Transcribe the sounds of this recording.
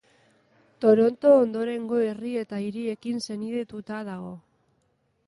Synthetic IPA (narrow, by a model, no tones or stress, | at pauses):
t̪o̞ɾo̞nt̪o̞ːnd̪o̞ɾe̞ŋɡo̞e̞rie̞t̪aiɾie̞kinse̞niðe̞t̪ut̪að̞aɣ̞o̞